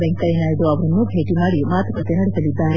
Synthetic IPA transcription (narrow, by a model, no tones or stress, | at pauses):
beŋkkɐenaːjid̪uɐʋɐɾɐnːubʱe̞ːʈimaːɽimaːt̪ɐkɐt̪ːenɐɽesɐlid̪ːaːɾe